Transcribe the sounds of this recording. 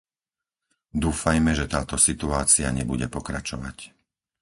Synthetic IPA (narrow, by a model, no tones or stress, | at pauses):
d̪uːfajmɛʒɛt̪aːt̪ɔsit̪uaːt͡siaɲɛbuɟɛpɔkɾat͡ʃɔʋa̰c